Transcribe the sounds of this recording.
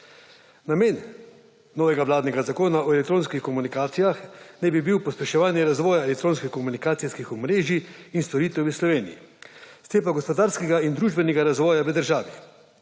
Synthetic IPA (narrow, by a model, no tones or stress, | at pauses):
nameːnː | ɔːʋɛɡaʋlaːd̪nɛɡazakoːnaɔɛlɛk̚t̪ɾoːnskixkɔmunikaːt̪sijaxnɛbibiwpɔspɛʃɛʋaːnjɛɾazʋɔːjaɛlɛk̚t̪ɾoːnskixkɔmunikaːt̪siskixɔmɾeːʒiinst̪ɔɾiːt̪ɛwəslɔʋeːnḭjḭst̪eːpaɡɔspɔd̪aːɾskɛɡaind̪ɾuːʒbɛnɛɡaɾazʋɔːjaʋəd̪əɾʒaːʋi